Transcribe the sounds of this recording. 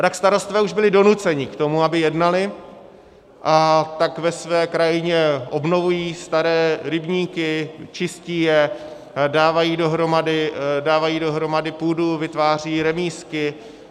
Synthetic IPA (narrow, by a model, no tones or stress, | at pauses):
t̪akst̪aɾo̞st̪vɛːuʒbɪlɪdo̞nut͡sɛɲɪkt̪o̞muabɪjɛdnalɪ | ʔat̪akvɛsvɛːkɾajɪɲɛʔo̞bno̞vujiːst̪aɾɛːɾɪbɲiːkɪt͡ʃɪsciːjɛ | daːvajiːdo̞ɦɾo̞madɪdaːvajiːdo̞ɦɾo̞madɪpuːduvɪt̪vaːr̝iːɾɛmiːskɪ